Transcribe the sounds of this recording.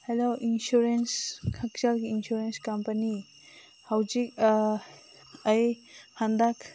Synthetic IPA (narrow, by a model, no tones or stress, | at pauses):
helawinsuɾenskʰak̚t͡ʃalɡiːnsuɾenskampɐni | hawd͡ʒik̚ | ɐjhand̪ak